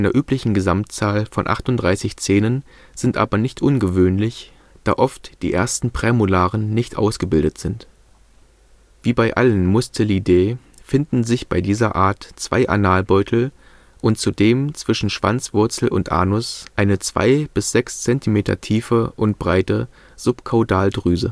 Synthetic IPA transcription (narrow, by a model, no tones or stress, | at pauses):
aɪnɐʔyːplɪçn̩ɡəzamtt͡saːlfɔnʔa̰χtʊntdʁaɪsɪçt͡seːnən | z̥ɪntʔa̰ːbɐnɪçtʔʊnɡəvøːnlɪç | d̥a̰ːʔɔftd̥ḭːʔḛːɐstn̩pʁ̥ɛːmʊlaːʁənːɪçtʔa̰ʊsɡ̥əbɪldətz̥ɪnt | v̥iːbaɪʔa̰lənmʊstʰəlideː | fɪndn̩zɪçb̥aɪdiːzɐʔaːɐtt͡sv̥a̰ɪʔa̰naːlbɔʏtʰl̩ | ʔʊntt͡sudeːmt͡sv̥ɪʃn̩ʃv̥a̰nt͡sv̥ʊɐt͡sl̩ʔʊntʔa̰ːnʊsʔaɪnət͡sv̥a̰ɪb̥ɪsz̥ɛkst͡sɛntʰimeːtɐ̰tʰiːfəʔʊnt̚b̥ʁaɪtə | z̥ʊpkʰaʊdaːldʁyːzə̰